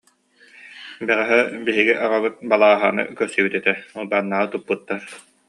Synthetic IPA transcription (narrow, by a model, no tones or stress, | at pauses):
bɛʁɛɦɛbiɦiɡiʔaʁaβɯt̪̚balˠaːɦa̰ːnɯ̰kœɾsibyt̪ɛt̪ɛulbanːaːʁɯt̪upːut̪ːaɾ